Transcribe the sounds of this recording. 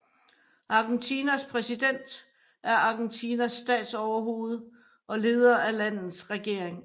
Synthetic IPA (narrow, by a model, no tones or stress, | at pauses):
ʔɑ̈ɡ̥ent͡sʰiːnæspʰʁɛsid̥en̰d̥ | æɐɑ̈ɡ̥ent͡sʰinæsːd̥ɛ̰ːd̥sɒʊɐɦo̝ːð̞̩ˠ | ʔɒ̽le̝ːð̞ˠɐælæn̰ð̩ˠsʁɛɡ̥e̝ɐ̰eŋ